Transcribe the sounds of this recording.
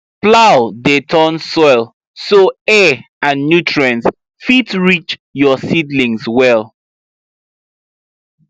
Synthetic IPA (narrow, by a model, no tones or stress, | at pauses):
plawdetʰɔ̃nsɔɪlˠ | soɛ | ãnːjutʰɹɛ̃ns | fitɹit͡ʃjɔsidlĩŋswɛl